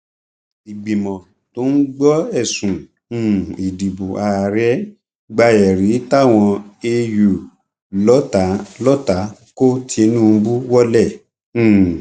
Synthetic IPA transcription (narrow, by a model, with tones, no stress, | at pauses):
i˨ɡ͡bi˨mɔ̃˨ | to˦n̩˦ɡ͡bɔ˦ɛ˦˨sũ˨˦˨ | i˨di˨bu˨a˧˨ɾɛ˦ | ɡ͡ba˧jɛ˨ɾi˨˦ta˦˨w̃ɔ̃˧e˧ju˨ | lɔ˨˦ta˨˦lɔ˦ta˨˦ko˦tʰi˦e˧nũ˦˨˦bu˦wɔ˦lɛ̃˦˨˦